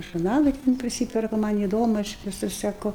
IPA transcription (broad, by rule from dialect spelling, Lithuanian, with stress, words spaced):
ʒʊrˈnɑːlˠɐɪ tʲɛn pʲrʲɪˈsʲiːpʲɛrkʊ ˈmɐn iːˈdoːmʊ ˈɐʃ ʋʲɪˈsʊs sʲɛˈkʊ